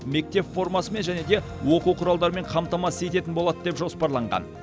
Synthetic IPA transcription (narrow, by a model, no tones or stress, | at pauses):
me̞k̚t̪e̞pfo̞rmɑsəme̞nʒæne̞d̪e̞wo̞quwqʰʊɾɑlˠd̪ɑɾəme̞ɴqʰɑmt̪ɑmɑsəje̞t̪e̞t̪ɪnbo̞lˠɑd̪əd̪e̞pʒo̞spɑɾlˠɑɴʁɑ̰n